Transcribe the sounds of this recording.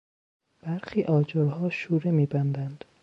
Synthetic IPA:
b̥æɾxiːʔɒːd͡ʒoɾhɒːʃuːɾemiːbænd̪ænd̪̥

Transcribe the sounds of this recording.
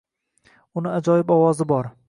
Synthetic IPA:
ʊnɪad͡ʒɒjɪbɒwɒzɪbɒɾ

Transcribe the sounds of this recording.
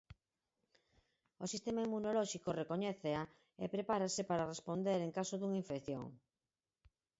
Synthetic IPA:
osist̪emaimunolɔʃikorekoɲɛθea | epɾepaɾasepaɾarespond̪eɾeŋkasoðuŋaiɱfekθjo̰ŋ

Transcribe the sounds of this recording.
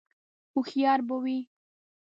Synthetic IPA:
ʊxijɑɾbəwi

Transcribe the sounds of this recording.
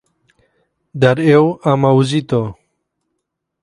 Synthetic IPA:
d̪aɾewamauzit̪o

